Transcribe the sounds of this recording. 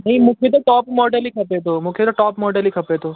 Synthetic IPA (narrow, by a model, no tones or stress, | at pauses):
nɐɦĩmũkʰet̪̬oʈɔːpmɔːɖəlikʰɐpet̪̬omʊ̃kʰet̪oʈɔːpmɔːɖəlikʰɐpet̪oː